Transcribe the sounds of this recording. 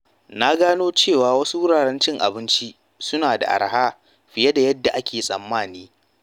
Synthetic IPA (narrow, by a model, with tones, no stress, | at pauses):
na˦ɡaː˦noː˦t͡ʃeː˦˨waː˨wɐ˦su˦wʊ˦ɽaː˨ɽɛ˦nt͡ʃɪ˦ŋʔa̰˨bɪ˦nt͡ʃi˦ | sʊ˦naː˨da̰˨ʔa̰˨ɾɦaː˦ | ɸɪ˨jɐ˦da˨jɐ˦dːa˨ʔa˦kʲeː˨sʼɐ̰˨mːaː˦˨niː˦